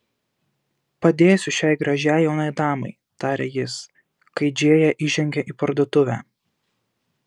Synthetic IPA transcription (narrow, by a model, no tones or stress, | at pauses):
pɐd̪ʲeːsʲʊʃʲɛˑɪɡɾɐʒʲæjɛʊnɑɪd̪ɑːmɐ̰ɪ | t̪ɑːɾʲɛjɪs | kɐɪd͡ʒʲeɛjɛʔiːʒʲɛŋʲɡʲɛʔiːpɐɾd̪oːt̪ʊʋʲæ̰ː